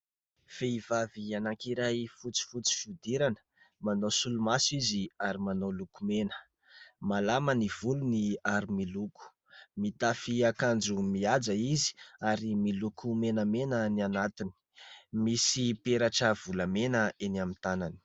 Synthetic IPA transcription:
feivavianakiɾajfut͡si̥fut͡si̥fud̪iɾanə̥ | manosulumasiziaɾimanolukumenə̥ | malaməniv̥uluniaɾimiluku̥ | mit̪afiakand͡ʒumiad͡zaizi̥aɾimilukʰumenəmenənianat̪ini̥misipeɾaʈ͡ʂəv̥uləmenəenamit̪anani̥

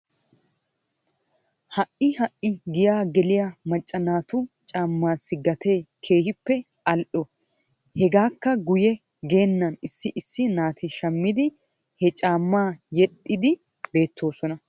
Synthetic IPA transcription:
hɐʔɪhɐʔɪɡɪjaːɡɛlɪjɐmɐt͡ʃʼːɐnaːt̪ʊt͡ʃʼaːmːaːsːɪɡɐt̪ʰejkʰe̞ːhɪpːɛ | ʔɐlʔɔ | hɛɡaːkːɐɡʊjɛ | ɡe̞ːnːɐnɪsːɪʔɪsːɪnaːt̪ɪʃɐmːɪd̪ɪ | hɛt͡ʃʼaːmːaːjɛtʼːɪd̪ɪ | be̞ːt̪ːo̞ːsɔnɐ

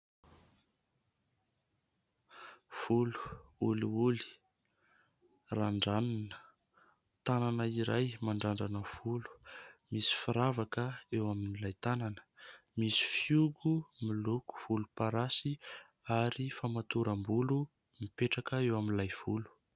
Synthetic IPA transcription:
v̥ulu̥uliuli̥ | raɳɖ͡ʐaninə̥ | t̪ananəiɾajmaɳɖ͡ʐaɳɖ͡ʐanəv̥ulu̥misi̥fiɾavakəewaminilajt̪ananə̥misi̥fiuɡumiluku̥v̥ulupaɾasi | aɾifamat̪uɾambulu | mipeʈ͡ʂakəewaminlajv̥ulu̥

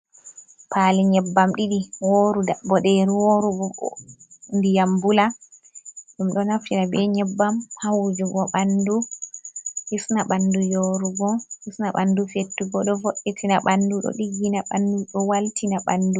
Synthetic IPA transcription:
pʰaːliɲɛbːamɗiɗiwoːɾudabɔɗɛɾuwoɾubɔɔndijambula | ɗumɗɔnaftinabɛɲɛbːamhawd͡ʒuɡɔɓandu | hisnaɓandujoɾuɡɔhisnaɓandufetːuɡɔɗɔvoʔːɛtʰinaɓanduɗɔ̰ɗiɡːinaɓanduɗɔwaltʰinaɓandu

